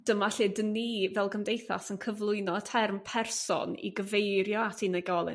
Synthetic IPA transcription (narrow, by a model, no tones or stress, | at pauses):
d̥əmaɬɨdənivɛlˠɡəmdejθa̰sənkʰəvlˠʊɨnɔtʰɛrmpʰɛrsɔ̰nḭɡəvejɾjɔatʰiːnəɡɔlˠɪ̰n